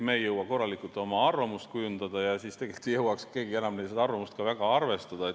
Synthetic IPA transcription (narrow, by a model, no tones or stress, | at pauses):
meːjːɤwɑko̞rːɑlikult̪ːo̞mɑɑrvɑmust̪̚kujund̪̥ɑd̪̥ɑjɑsist̪e̞ɡ̥e̞lt̪ˑijɤwɑkske̞ːɡie̞nɑmnej̪sed̪ɑɑrvɑmust̪kɑvæɡ̥ɑɑrve̞st̪ɑd̪̥ɑe